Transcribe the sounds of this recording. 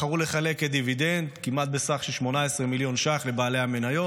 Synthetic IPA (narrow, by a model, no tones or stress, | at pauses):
aʁule̞χale̞ket̪̚d̪ivid̪end̪kimat̪̚besaχʃeʃmo̞naesʁemiljo̞nʃaχle̞baːle̞hame̞najo